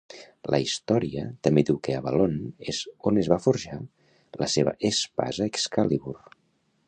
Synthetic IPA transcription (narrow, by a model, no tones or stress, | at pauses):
lə̰ist̪ɔɾiət̪əmbed̪iwkeəβəlonezonəzβafuɾʒa | ləseβə̰ʔespa̰zəekskaliβur